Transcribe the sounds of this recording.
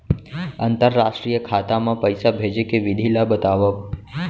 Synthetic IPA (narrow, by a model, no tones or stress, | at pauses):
ənt̪əɾːasʃʈɾijəkʰat̪amãpəjsabʱed͡ʒekeʋɪd̪ʱilabət̪aʋə